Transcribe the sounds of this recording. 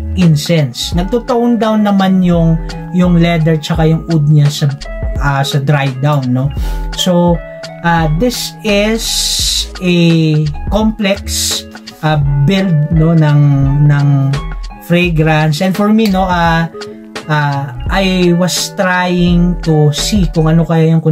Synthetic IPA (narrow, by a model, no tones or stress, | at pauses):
ʔɪnsɛnsnɐɡ̚t̪ot̪oʔond̪awnːɐmanjʊŋ | jʊŋlɛd̪ɛɹt͡ʃɐkajʊŋʔud̪̚ɲasɐʔasɐd̪ɾajd̪awnːo̞so | ʔad̪ɪsɪs | ɛ | komplɛks | ʔabɪld̪̚no̞nɐŋnɐŋ | fɹɛɡɾant̪sʔɛ̃nfɔɹmino̞ʔa | ʔaʔajwɐst̪ɾajɪŋt̪usikʊŋʔɐnokɐjajɐnkʊ